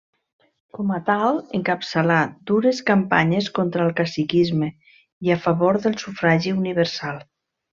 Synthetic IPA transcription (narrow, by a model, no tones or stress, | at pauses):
kɔmat̪alˠeŋkapsəlad̪uɾeskampa̰ɲeskont̪ɾaːlˠkasikizme | iafaβoɾðəlˠsufɾaʒiuniβ̞əɾsalˠ